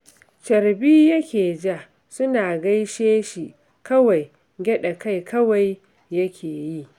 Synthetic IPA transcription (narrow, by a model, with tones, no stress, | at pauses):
t͡ʃɐ˨ɾbiː˦jɐ˦kʲeː˨d͡ʒa˦˨ | sʊ˦naː˨ɡɐ˦jʃeː˦ʃi˨ | kɐ˦wa˨j | ɡʲɛ˦ɗa˨ka˦jkɐ˦wa˨jː | ɐ˦kʲʰeː˨ji˦˨ʔ